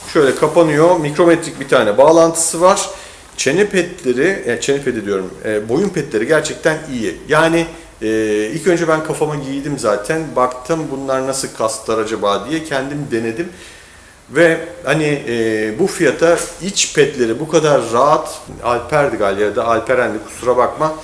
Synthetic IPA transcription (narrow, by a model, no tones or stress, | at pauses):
ʃøjlʲɛkʰapanɯjo̞mikɾo̞mɛt̪ɾic̚bit̪ʰaːnɛbaːlˠant̪ʰɯ̥sɯvaɾ̥ | t͡ʃʰe̞nipʰɛt̪lʲeɾɪjat͡ʃʰe̞nipʰe̞d̪id̪ijo̞ɾumːbo̞jumpʰɛt̪lʲe̞ɾiɟæɾt͡ʃʰɛc̚t̪ʰænijijaːnɪː | ilʲcø̞nd͡ʒɛbænkʰafamaɟijd̪imzaːt̪ʰænbakt̪ʰɯmbunlˠaɾnasɯlˠkʰast̪lˠaɾad͡ʒabaːd̪ijɛcʰɛnd̪imd̪e̞ne̞d̪im | vɛhanɪːbufijat̪ʰait͡ʃpʰɛt̪lʲe̞ɾibukʰad̪aɾːaːt̪a̰lʲpʰæɾd̪iɡalʲjad̪aalʲpʰæɾænd̪ʲikʰu̥suɾabakma